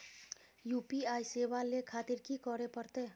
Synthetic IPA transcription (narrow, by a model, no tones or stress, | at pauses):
jupiajsewalekʰat̪iɾkikɔɾepəɾt̪e